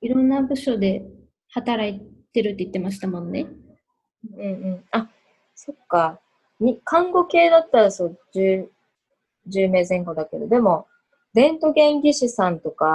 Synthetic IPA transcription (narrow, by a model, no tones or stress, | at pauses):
iɾõ̞nːabɯ̟ɕo̞d̪e̞ | hat̪aɾait̪e̞ɾɯ̟t̪ːeit̪ːe̞maɕi̥t̪amõ̞nːe̞ | ɯ̃ɯ̟̃ɴɯ̟̃ɴa | so̞kːa | ɲikʰãŋɡo̞ke̞ːd̪at̪ːaɾasod͡ʑɨː | d͡ʑɨːme̞ːzẽ̞ŋkod̪ake̞d̪o̞d̪e̞mo̞ | d̪ẽ̞nt̪o̞ɡẽ̞ŋɡʲiɕisãnt̪o̞ka